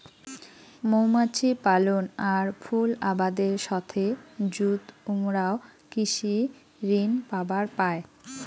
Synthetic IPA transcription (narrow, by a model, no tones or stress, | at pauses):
mowmat͡ɕʰipalonaɾfʰulabad̪eɾʃɔt̪ʰed͡ʑut̪umɾaokiʃi | ɾinpabaɾpae